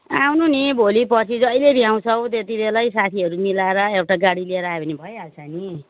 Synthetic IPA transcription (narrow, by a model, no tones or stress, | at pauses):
awnunibʱolipʌt͡sʰid͡zʌjlebʱiaw̃t͡sʰʌwt̪et̪ibʱelajsat̪ʰiʌɾumilaeɾʌewʈaɡaɽilieɾʌaebʌnebʱʌjat͡sʰani